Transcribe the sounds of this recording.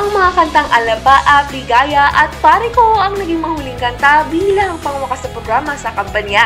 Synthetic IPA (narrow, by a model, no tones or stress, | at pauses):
ʔɐŋmɐŋakɐnt̪aŋʔɐlɐbaʔɐp̪lɪɡaːjɐʔɐt̪̚paːɾɪkoɐŋnɐɡɪŋmɐhuːlɪŋkɐnt̪abiːlɐŋpɐŋwɐkasɐpɾoɡɾaːmɐsɐkɐmpɐnja